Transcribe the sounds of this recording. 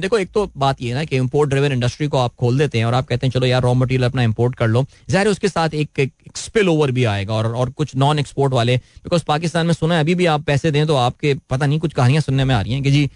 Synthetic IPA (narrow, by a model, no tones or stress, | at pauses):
d̪eːkʰoeːk̚t̪obaːt̪jeɦɛnakeɪ̃mpoːɾʈ̚ɖɾaɪʋəɾɪ̃ɳɖɐsʈɾikoaːp̚kʰoːld̪eːt̪eɦɛ̃ɔːɾaːp̚kɛɦt̪ẽɦɛ̃t͡ʃɐlojaːɾɔːmɐʈ̬iːɾjəlɐpnaɪ̃mpoːɾʈkɐɾloː | zaːɦɾeʊskesaːt̪ʰeːkːkspɪloːʋəɾbʱiaːḛːɡaɔːɾɔːɾkʊt͡ʃʰnɔːnɛkspoːɾʈʋaːlebɪkɔːzpaːkɪst̪aːnmẽsʊnaẽɐbʱibʱiaːpːɛːsed̪ẽːt̪̬oaːp̚kepɐt̪anɐɦĩk̬ʊt͡ʃʰkɐɦaːnijãsʊnːẽmẽaːɾəĩɦɛ̃ked͡ʒiː